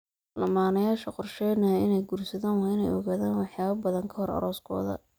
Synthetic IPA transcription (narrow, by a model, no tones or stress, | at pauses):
lɐmaːnɐjaːʃɐqɔrʃɛjnɐɪnɛjɡuːrsɐðaːnwɪnɛ̰jɔ̰ɣaːðaːnwɑħjaːβɐbɐðɐŋkʰɐhɔrɐ̰ɾɔːskʰɔ̰ːðɐ̰